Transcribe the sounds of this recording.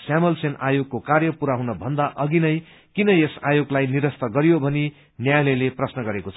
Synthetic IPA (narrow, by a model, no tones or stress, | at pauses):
samʌlsena̰joɡ̚kokarjʌpuɾaɦunʌbʱʌnd̪aʔʌɡinʌj | kinʌesa̰joɡlajniɾʌst̪ʌɡʌɾjobʱʌni | njajleleprʌsnʌɡʌɾekot͡sʰʌ